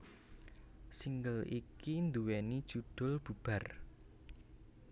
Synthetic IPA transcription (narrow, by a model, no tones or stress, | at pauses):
siŋɡəlikind̪uwɛnid̥ʒ̥uɖ̪̥ʊ̤lb̥ub̥a̤r